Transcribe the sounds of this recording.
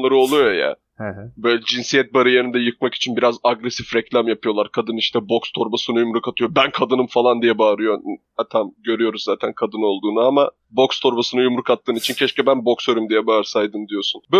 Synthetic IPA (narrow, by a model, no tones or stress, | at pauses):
lˠaɾɯolˠujoja̰ː | hbø̞ːjlʲɛd͡ʒinsijɛt̪̚baɾɯjeɾind̪ɛjɯk̚maki̥t͡ʃʰinbiɾazaɡɾesifɾɛclʲamjapʰɯjo̞lˠaɾkʰad̪ɯniʃt̪ʰɛbo̞kst̪ʰo̞ɾbasɯnɯjumɾukat̪ʰɯjo̞bænkʰad̪ɯnɯmfalˠand̪ijɛbaːɾɯjo̞ | at̪ʰamɟø̞ɾyjo̞ɾuzzaːt̪ʰænkʰad̪ɯno̞lˠd̪uːnuama | bo̞kst̪ʰo̞ɾbasɯnɯjumɾukat̪ːɯːnit͡ʃʰincʰɛʃcɛbænbo̞ksøɾymd̪ijɛbaːɾsajd̪ɯmd̪ijo̞sunbø